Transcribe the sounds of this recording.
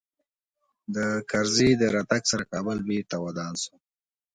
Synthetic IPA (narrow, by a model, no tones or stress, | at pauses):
d̪əkaɾzid̪əɾɑt̪aɡsaɾakɑbəlbet̪awad̪ɑnsu̥